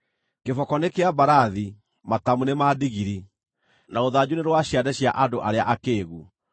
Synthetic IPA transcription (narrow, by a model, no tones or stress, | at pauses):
kefɔkɔnekeabaɾaði | matamunemadiɣiɾi | naoðad͡ʑuneɾwaɕjadɛɕia̰ʔadoʔaɾea̰ʔakeːɣu